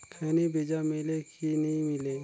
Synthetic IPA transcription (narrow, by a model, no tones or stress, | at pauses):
kʰɛnebeːd͡ʒamɪlekinɐɦĩmɪle